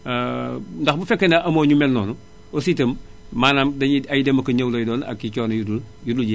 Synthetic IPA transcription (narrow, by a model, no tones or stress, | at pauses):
ndaxbufekːenaʔɐmoɲumelnoːnu | ositɐm | maːnaːmdaiajidemɐkɐɲɐwlojdoːna̰kit͡ʃoːnojuduljudulɟi